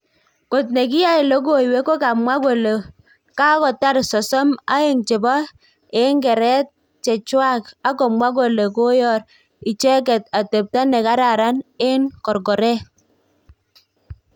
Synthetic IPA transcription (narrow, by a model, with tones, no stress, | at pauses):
ko˨t̬ne˨k̬ɪ˦ja˦ɪ˨lo˦ɡo˦˨i˨we˦ko˦ka˨mwa˦ko˨le˨ | ka˦kɔ˨ta˦ɾsɔ˨sɔ˦ma̰˦ɪ˨ŋt͡ʃɪ˨bɔ˦ | ɪ˦ŋɡɛ˨ɾɛ˦t̚ | t͡ʃɛ˨t͡ʃwa˦ka˦kɔ˨mwa˦k̬o˨le˨ko˦jɔ˦˨ɾ | ɪ˨t͡ʃɛ˦kɛ˨ta˨te˨p̚ta˦nɛ˨ka˦ɾa˨ɾa˦nɪ˦nkɔ˨ɾɡɔ˨ɾɛ˦